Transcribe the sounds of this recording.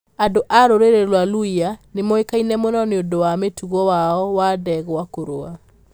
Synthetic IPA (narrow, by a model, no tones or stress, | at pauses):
andoʔaɾoɾeɾelwaluianemoekainɛmonɔneondowametuɣɔwaɔwadɛɣoakoɾoa